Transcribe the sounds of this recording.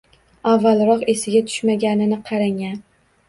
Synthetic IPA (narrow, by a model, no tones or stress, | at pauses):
avːalɾɒqe̞sɪɡʲat̪ʰʊ̥ʃmaɡʲanɪnɪqʰɑɾaŋan